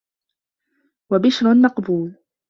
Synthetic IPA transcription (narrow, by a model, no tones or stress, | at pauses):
wabɪʃɾʊnːɑqbuːl